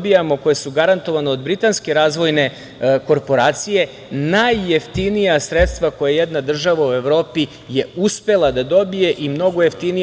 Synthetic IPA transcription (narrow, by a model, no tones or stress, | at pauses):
bijamo̞ko̞jesuɡaɾant̪o̞ʋaneod̪bɾit̪anske̞ɾaːzʋo̞jne̞ | ko̞ɾpo̞ɾaːt̪sije̞ | najːeft̪inijasɾet̪st̪vʋako̞jejed̪nad̪r̩ʒaʋaue̞ʋɾo̞ːpi | je̞uspe̞lˠad̪ad̪o̞bije̞ʔimno̞ɡojeft̪ini